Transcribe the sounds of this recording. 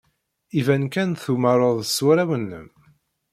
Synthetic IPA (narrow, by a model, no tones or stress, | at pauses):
ivænkænθuməɾˤoðˤəswæɾæwənːə̰m